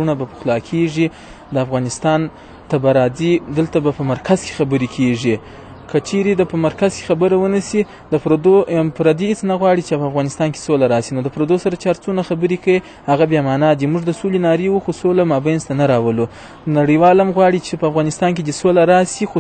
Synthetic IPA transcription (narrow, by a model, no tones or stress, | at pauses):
unabapəxlɑkʰeʐi | d̪əafɣɑnɪst̪ɑn | t̪abaɾɑzid̪əlt̪abapəmaɾkʰazke̥xabəɾikʰeʐi | kət͡ʃeɾed̪apəmaɾkazke̥xabəɾawənəsi | d̪əpɾod̪opɾad̪ihɪt͡snaɣwɑɽit͡ʃepəafɣɑnɪst̪ɑnke̥solaɾɑsinod̪əpɾod̪osaɾat͡ʃɑɾt͡sunaxabəɾekai | haɣabjɑmɑnɑd̪imuʐd̪əsolenɑɾiwuxosolamɑbajnzt̪anaɾɑwəlo | naɽəwɑlamɣwɑɽit͡ʃepəafɣɑnɪst̪ɑnk̬ed̪əsolaɾɑsixo